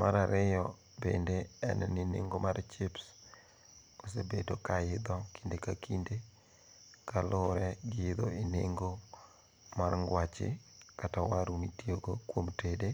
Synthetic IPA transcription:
maɾaɾɪjɔ | bḛndeɛ̰nɛninḛŋɡomaɾt͡ʃɪps | osebedokaɪd̪ɔki̥ndekakinde | kalʊɾɛɡɪɪd̪ɔineŋɡo | marŋɡwat͡ʃɪ̰katawaɾumitioɡokwomtede

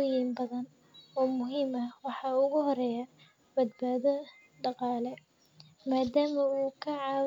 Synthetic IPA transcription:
ɔjimbɐðɐn | ɔːmʊɦiːmɐwɑħɑːʊɣʊɦɔɾɛja | bɐd̪̚baːðɔ | ɖɑqɑːlɛ | maːd̪aːmɐuːkʰɐʕɑː

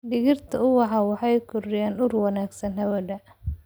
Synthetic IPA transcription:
ɖɪɣɪrt̪ʰɐʊwɑħɑwɑħɑjkʰʊrɪjaːnʊrwɑnaːɡsɐnɦhɐβɔdɐ

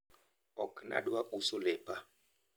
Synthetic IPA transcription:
ɔkna̰ɗwaʔusɔlɛːpa

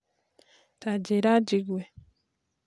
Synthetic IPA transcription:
tʰaɟeɾaɟiɡwe

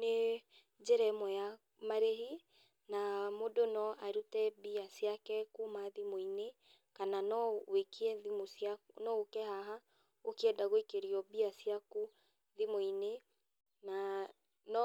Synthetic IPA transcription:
ne | d͡ʒɛɾɛmɔja | maɾeɦi | namodonɔaɾutɛbiasjakɛkumaðimoine | kananɔwekiɛðimosjaknɔokɛhaɦa | okiɛdaɣoikeɾiɔbiasiaku | ðimoine | na | nɔ

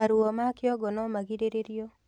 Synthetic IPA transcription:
aɾwomakɪɔɡɔnɔmaɡideɾeɾjo

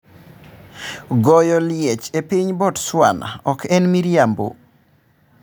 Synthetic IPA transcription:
ɡɔjɔljɛt͡ʃepiɲbɔtswa̰na̰ɔkʰɛnmiɾjambo̰

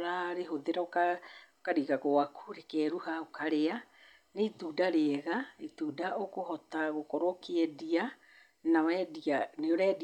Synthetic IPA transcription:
ɾaɾeɦoðeɾaokaokaɾiɣaɣowakʰuɾekɛːɾuhaokʰaɾea | neituːdaɾeɛɣait̪udaʔokohɔtaɣokɔɾokeɛdia | nawɛdianeoɾɛd

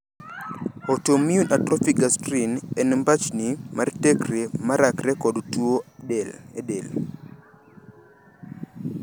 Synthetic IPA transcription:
ɔtomiunʔatɾɔfikastɾinɛnmbat͡ʃnimartɛkɾemaɾakɾɛkɔdtuoɛlɛɗel

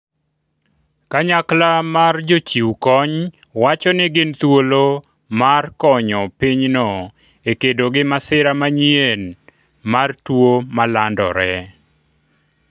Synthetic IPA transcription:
kaɲaklamard͡ʒot͡ʃiwkɔɲ | wat͡ʃɔnɪɡɪnt̪wolo | markɔɲɔpiɲnɔ | ekedoɡɪmasɪɾamaɲien | martwomalandɔ̰ɾɛ

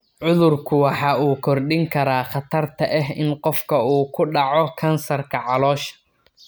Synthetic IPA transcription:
ʕʊðʊrkʰʊwɑħɑːuːkʰɔrɖɪŋkʰɐɾaːχɑt̪ʰɐrt̪ʰɐʔɛɦɪnqɔfkʰɐuːkʰʊɖɑʕɔkʰɐnsɐrkʰɐʕɑlɔːʃɐ̥

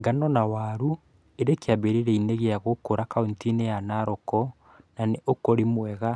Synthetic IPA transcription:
ɡanɔnawaːɾu | eɾekeaβeɾeɾɛineɣeaɣokoɾakaontinejanaɾɔkɔ | naneʔokoɾimwɛɣa

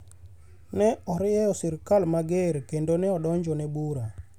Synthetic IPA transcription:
nɛɔɾɪɛɔsiɾkalmaɡeɾkendonɛɔɗɔɲd͡ʒɔnɛbuɾa

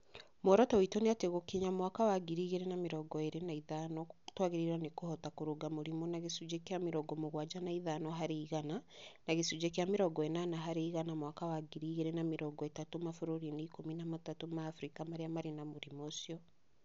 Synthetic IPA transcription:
moɾɔtɔwitɔneateɣokeɲamwakawaɡiɾiːɣeɾenameɾɔɡɔeɾenaiðanɔtwaɣeɾiɾanekohɔtakoɾoɡamoɾimɔnaɣesud͡ʒekeameɾɔɡɔmoɣwad͡ʒanaiðanɔɦaɾeiɣananaɣesud͡ʒekeameɾɔɡɔenanaɦaɾeiɣanamwakawaɡiɾiɣeɾenameɾɔɡɔetatomafoɾuɾineikominamatatomaːfɾikamaɾeamaɾenamoɾimosiɔ

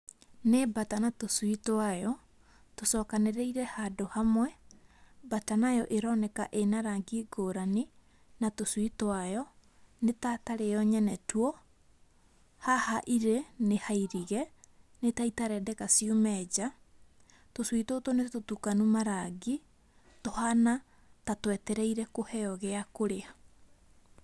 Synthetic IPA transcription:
nebatanatoswitoajɔ | tosɔːkaneɾeiɾɛhadohamwɛ | batanajɔʔeɾɔnɛkaʔenaɾaŋɡiɡoːɾane | natoswitoajɔ | netataɾejɔɲɛnɛtwɔ | hahaʔiɾenehaiɾiɣɛ | netaitaɾɛdɛkasiomɛːd͡ʑa | toswitotonetotukanumaɾaɡi | tohana | tatwɛtɛɾɛiɾɛkohɛɔɣɛakoɾea

